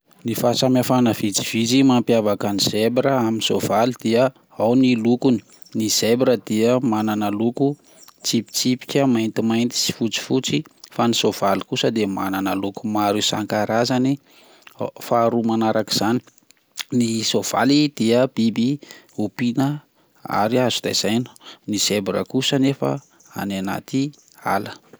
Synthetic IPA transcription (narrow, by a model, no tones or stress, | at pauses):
nifasamafanəvid͡zi̥v̥id͡zimampjavakəniz̥ebɾəaminisov̥alid̪̥iə | awnilukuni̥ | niz̥ebɾəd̪iəmananəluku | t͡sipi̥t͡sipi̥kʲəmajnt̪imajnt̪i̥si̥fut͡si̥fut͡sifanisov̥alikusəd̪emananəluku̥maɾusaŋkaɾazani | faːɾumanaɾaki̥z̥ani̥ | nisov̥a̰lid̪̥iəbibi | upinə | a̰ɾiazud̪a̰z̥ajn̥niz̥ebɾə̰kusənefə̰ | a̰nana̰t̪i | a̰lə